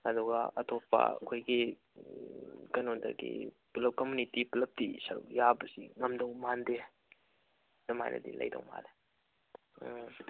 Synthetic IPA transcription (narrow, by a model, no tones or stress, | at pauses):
ɐduɡaɐtopːa̰ɐkʰojɡi | kɐnondɐ̰ɡḭ | pulɐp̚kɐmunitipulɐp̚tisɐɾṵkjabɐsiŋɐmdɐwmande | dɐma̰jnʔɐ̰dilɐ̰jdɐ̰wma̰de